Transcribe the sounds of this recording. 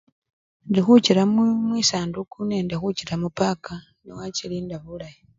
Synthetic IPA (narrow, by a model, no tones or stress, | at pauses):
ndixuciɾamumwiːsaːndukunendixuciɾamupaka | newaciliːndaβulaji